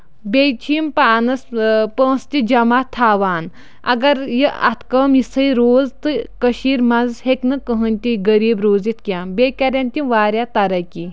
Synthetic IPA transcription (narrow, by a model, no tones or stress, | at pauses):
bʲet͡ʃʰiːmpaːnɐspə̃ːst̪ʲid͡ʒɐmaːt̪ʰaːʋaːn | ɐ̰ɡɐɾjiɐ̰t̪kɐːmisəjɾoːzt̪ɨkəʃiːɾmɐzheknɨkəɦənʲt̪ʲiɡəɾiːbɾoːzit̪kʲãːbeːkʲɐɾʲɐnʲt̪ʲiʋaːɾʲjat̪ɐɾɐki